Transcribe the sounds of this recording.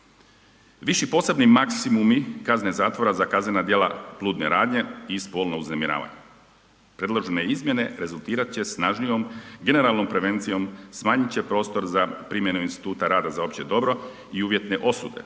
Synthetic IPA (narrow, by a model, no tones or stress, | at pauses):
ʋiʃipo̞ːse̞bnimaksimumikaznezaːt̪ʋo̞ɾazakazne̞nad̪je̞la̰plˠuːd̪neɾaːd̪ɲe̞ispo̞ːlˠnouznemiɾa̰ːʋa̰ɲe | pɾe̞d̪lˠoʒeneizmje̞ne̞ɾe̞zulˠt̪iːɾat̪t͡ɕe̞snaʒnijo̞mɡe̞ne̞ɾalˠno̞mpɾe̞ʋe̞nt̪sijo̞msmaːɲit͡ɕe̞pɾo̞ːst̪o̞ɾzapɾimje̞nuinst̪i̥t̪uːt̪aɾaːd̪azao̞pt͡ɕed̪o̞bɾo̞ | iuːʋje̞t̪ne̞ʔo̞sṵd̪e̞̰